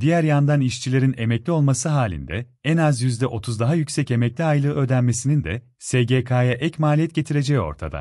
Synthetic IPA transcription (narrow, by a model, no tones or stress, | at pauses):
d̪ijæɾjand̪aniʃt͡ʃʰilʲe̞ɾine̞mɛclʲio̞lˠmasɯɦaːlʲḭnd̪ɛ | ɛnazjyzd̪ɛʔo̞t̪ʰuzd̪aɦajycsɛce̞mɛclʲiajlˠɯø̞ːd̪ænme̞sinind̪ɛ | seɟekʰajaʔɛcmaːlʲijɛt̪̚ɟe̞t̪ʰiɾe̞d͡ʒɛjo̞̰ɾt̪ʰa̰d̪a̰